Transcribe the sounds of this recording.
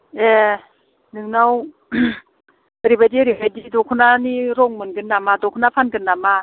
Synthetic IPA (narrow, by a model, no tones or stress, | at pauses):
e | nɯŋnaw | ɾibadiɾibajdidɔkʰunaniɾɔŋmɯnɡɯnːamadɔkʰunapʰanɡɯnːama